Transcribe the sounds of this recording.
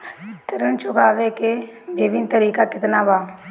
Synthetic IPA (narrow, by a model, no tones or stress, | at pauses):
t̪ɪɾənt͡ʃʊkaːʋekeʋɪʋɪnt̪əɾiːkakɪt̪nabaː